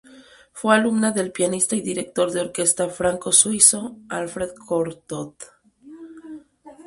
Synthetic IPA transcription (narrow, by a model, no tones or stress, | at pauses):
fwe̞alumnaðe̞lpjanist̪aiðiɾek̚t̪o̞ɾðeo̞ɾke̞st̪afɾaŋko̞swiso̞alfɾe̞ðkʰoɾt̪ot̪